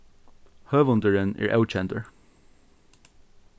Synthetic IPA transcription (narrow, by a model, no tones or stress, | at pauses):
høːʋʊnd̪əɹənɛ̰ːɹʔɛ̰ʊt͡ʃɛnt̪əɹ